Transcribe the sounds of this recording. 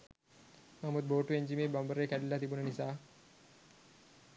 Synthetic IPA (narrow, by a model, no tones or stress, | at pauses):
mamud̪̚boːʈueɲd͡ʒimeːbambəɾekæɖilːat̪ibunənisaː